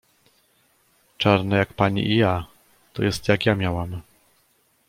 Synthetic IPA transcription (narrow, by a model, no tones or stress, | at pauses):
t͡ʂaɾnɛjakpaɲḭʔija | t̪ɔjɛst̪jakjamʲjawam